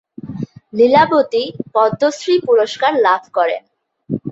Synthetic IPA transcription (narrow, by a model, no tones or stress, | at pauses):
lilabot̪ipɔd̪ʱːosɾipuɾoʃkaɾlabʱkɔɾḛn